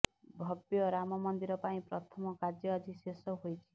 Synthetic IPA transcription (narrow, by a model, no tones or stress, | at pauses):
bʱɔbjɔɾamɔmɔnd̪iɾɔpaĩpɾɔt̪ʰɔmɔkad͡ʒjɔad͡ʒisesɔɦojt͡ʃʰi̥